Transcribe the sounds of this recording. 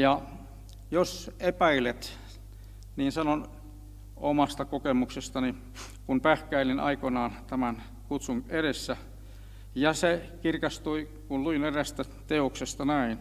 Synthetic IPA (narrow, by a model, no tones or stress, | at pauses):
jɑ | josepæilet̪ | niːnsɑnon | omɑst̪ɑkokemuksest̪ɑni | kunpæhkæilinʔɑ̰ikonɑːnt̪æmæn | kut̪suŋeɾesːæ | jɑsekirkɑst̪ui | kulluineræst̪æ | t̪eoksest̪ɑnæin